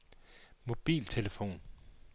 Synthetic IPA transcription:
mo̝b̥ḭːlt͡sʰe̝ləfo̝̰ːn

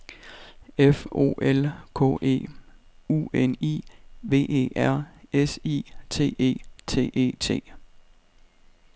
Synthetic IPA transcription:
efo̝̰ːʔelkʰɔ̰e̝̰ː | ṵenḭʋe̝̰ːe̝̰ːæɐ̰esḭːt͡sʰe̝̰ːe̝̰ːt͡sʰe̝̰ːʔe̝̰ːt͡sʰe̝̰ː

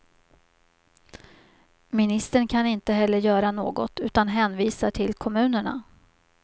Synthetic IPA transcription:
mɪnɪst̪əɳkʰanɪnt̪əɦɛlːəɾjœːɾanoːɡɔt̪ʉ̟ːt̪an̪ɦɛːnviːsaʈʰɪlkʰɔmʉ̟ːnəɳa̰

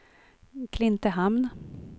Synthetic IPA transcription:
kʰlɪnt̪əɦamn

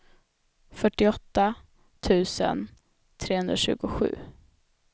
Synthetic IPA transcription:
fœʈːɪɔt̪ːa | t̪ʰʉ̟ːsə̰n | t̪ʰɾeːhɵnd̪ɾaɕʉ̟̰ːɡʊɧʉ̟ː

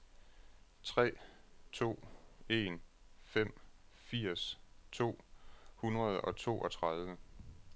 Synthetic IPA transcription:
t͡sʰʁɛ̰ːt͡sʰo̝̰ːe̝ːn | fem̰fiɐ̰st͡sʰo̝̰ːhunʁɐð̞ˠɒ̽t͡sʰo̝̰ːʔɒ̽t͡sʰʁɑð̞ˠʋə

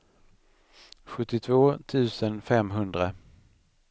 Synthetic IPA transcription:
ɧɵt̪ːɪt̪ʰvoːt̪ʰʉ̟ːsənfɛmɦɵnd̪ɾa

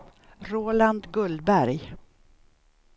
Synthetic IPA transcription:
ɾoːland̪ɡɵld̪bæɾj

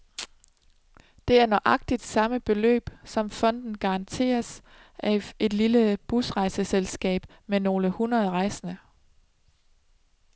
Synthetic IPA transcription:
d̥e̝æɐnɒʔɑ̈ɡ̥̚d̥id̥sɑ̈məb̥e̝lø̰ːb̥sɒ̽mfɒ̽n̰d̥n̩ɡ̥ɑ̈ɑ̈nt͡sʰe̝̰ːɐs | ʔæe̝d̥liləb̥usʁɑ̈ɪsəselsɡ̥ɛ̰ːb̥ | meno̝ːləhunʁɐð̞ˠʁɑ̈ɪsɐnə

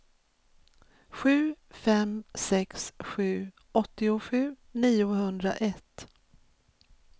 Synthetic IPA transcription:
ɧʉ̟ːfɛmsɛksɧʉ̟ː | ɔt̪ːɪʊɧʉ̟ː | niːʊhɵnd̪ɾa̰ʔɛt̪ː

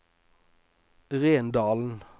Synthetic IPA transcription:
ʁeːnd̪ɑːln̩

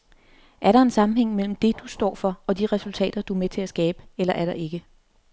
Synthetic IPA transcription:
ʔæɐɾɑ̈e̝nsɑ̈mm̩heŋ̰mel̰m̩d̥e̝d̥usd̥ɒ̰ːfɒ̽ɒ̽d̥iʁɛsult͡sʰɛ̰ːd̥ɐd̥uæmet͡sʰe̝æsɡ̥ɛːb̥əelɐʔæɐɾɑ̈ʔe̝ɡ̥ə

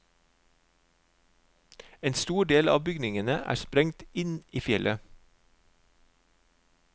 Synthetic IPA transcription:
eːnst̪uːɖeːlɑ̰ːbʏɡnɪŋənəʔæ̰ːspɾɛŋt̪ɪniːfjɛlʔə

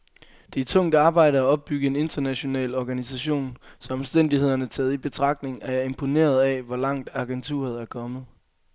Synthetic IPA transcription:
d̥e̝æɐt͡sʰɔ̽ŋ̰d̥ɑ̈ːb̥ɑ̈ɪ̰ɾəæɒ̽b̥̚ːyɡ̥əe̝ne̝nd̥ɐnæɕo̝nɛ̰ːlɒɡ̥ænis̬æɕo̝̰ːnsɒ̽ɒ̽msd̥en̰d̥ihe̝ð̰ˠɐnət͡sʰɛːð̞̩ˠib̥e̝t͡sʰʁɑ̈ɡ̥̚d̥ne̝ŋæɐæɐe̝mpʰo̝ne̝̰ːɐð̞ˠɛʋɒlɑ̈ŋ̰d̥ɑ̈ɡ̥ent͡sʰṵɐðˠæɐkʰɒ̽mð̩ˠ

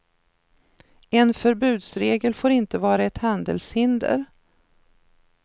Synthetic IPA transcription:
ɛnfœɾbʉ̟ːd̪sɾeːɡəlfoːɾɪnt̪əvɑːɾaɛt̪hand̪ə̰lshɪnd̪ə̰ɾ

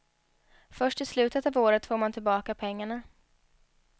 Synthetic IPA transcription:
fœʂʈɪslʉ̟ːt̪ət̪avoːɾət̪foːɾmant̪ʰɪlbɑːkapʰɛŋːaɳa

